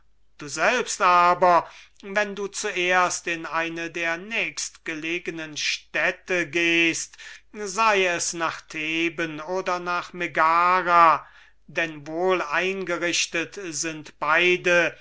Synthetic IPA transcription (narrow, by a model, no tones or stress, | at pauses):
d̥uːzɛlpstʔaːbɐ | vɛnduːt͡suʔeːɐstɪnaɪnədeːɐnɛːkstɡ̥əleːɡənənʃtɛtəɡeːstzaɪɛsnaːχtʰeːbənoːdɐnaːχmeɡaːʁa | dɛnvoːlaɪnɡəʁɪʃtətzɪntb̥aɪdə